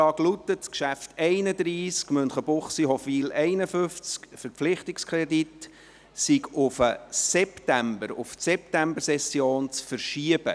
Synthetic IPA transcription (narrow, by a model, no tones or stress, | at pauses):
ɑːɡlut̪ːəskʃæftɛɪnəd̪ɾiːskmɵnχəbʊχsiɦɔfiːlɛɪnəfʏft͡skfəɾpflɪχtikskʰɾɛdit | siɡʊfəsɛptæmbəɾʊftsɛp̚tæmbəɾsɛsjoːnt͡sfəɾʃiəb̥ə̰